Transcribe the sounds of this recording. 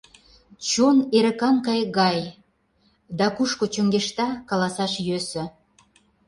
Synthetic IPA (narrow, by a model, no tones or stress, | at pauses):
t͡ɕoneɾə̆kɑnkɑjɣɑj | d̪ɑkuʃkot͡ɕøŋɡeʃt̪ɑkɑlɑsɑʃjøsə̆